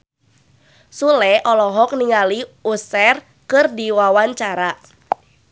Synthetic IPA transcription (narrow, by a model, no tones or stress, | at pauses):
sulɛʔɔlɔɦɔk̚niŋaliusɛr | kɨrdiwawaɲt͡ʃaɾa